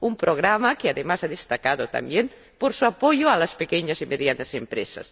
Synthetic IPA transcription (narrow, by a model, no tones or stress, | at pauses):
umpɾoɣ̞ɾamakeaðemasaðest̪akaðot̪a̰mbjem | poɾsuapojoalaspekɛɲasimeðjanɐzempɾesa̰s